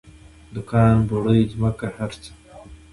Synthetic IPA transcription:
d̪ʊkɑːnboɽəjzmakahaɾt͡s

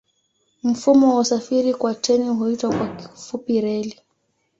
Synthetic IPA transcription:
m̩fumɔwausafiɾikwatɛniɦuitwakwaki̥fupiɾɛli

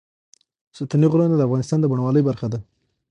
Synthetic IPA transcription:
sʊt̪aniɣɾɑnad̪əafɣɑnɪst̪ɑnd̪əbaɳawɑləjbaɾxad̪a

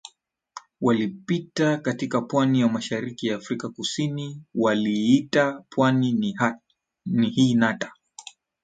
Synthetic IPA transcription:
walipitakatikapwaniwamaʃaɾikijaːfɾikakusiniwaliitapʰwanin | nihiːnatḁ

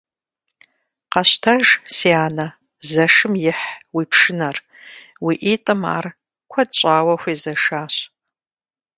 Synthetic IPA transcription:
qɐɕtʰɐʒsiːaːnɐ | zɐʂɨmjɪħwiːpʰʂɨnɐr | wiːʔiːtʼɨma̰ːr | kʷʰɐdɕʼaːwɐxʷiːzɐʂaːɕ

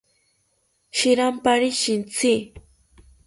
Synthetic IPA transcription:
ʃiɾampaɾiʃint͡sʰi

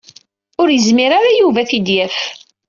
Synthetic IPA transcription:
ʊɾjəzmiɾaɾajuvæθid̪jæf

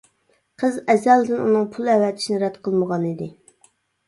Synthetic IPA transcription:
qʰəzɛzɛld̪ɪnṵnɨŋpʰulˠɛwɛt̪ʰɪ̥ʃinɪɾɛd̪qʰəlˠməʁɑnid̪ɪ

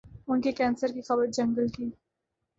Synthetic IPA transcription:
ʊnkekɛ̃ːnsəɾkixɐbəɾd͡ʒɐ̃ŋɡəlkiː

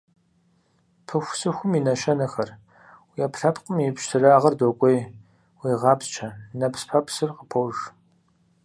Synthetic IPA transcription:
pʰɨxʷsɨxʷʊminɐʃɐnɐxɐr | wiapɬɐpʰqʼəmjipɕtʰɨraːʁɐrdokʷʼej | wiːʁɑːpt͡ʃʰɐnɐpʰspʰɐpʰsɨrqəpʰɐwʒ

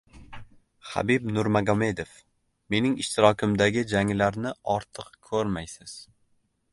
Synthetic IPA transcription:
ha̰bɪbnʊɾmaɡɒmed̪ef | me̞nɪŋɪʃt̪ʰɪɾɒkʲʰɪmd̪aɡʲɪd͡ʒaŋlaɾnɪɒɾt̪ʰɨqkʰɵɾmajsɪz̥

